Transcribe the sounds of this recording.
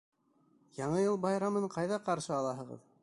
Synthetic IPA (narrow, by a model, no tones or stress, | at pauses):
jɑɴɤjɤlˠbɑjɾɑmɤɴqɑjðɑqɑɾʃɤɑlˠɑɦɤ̆ʁɤ̰ð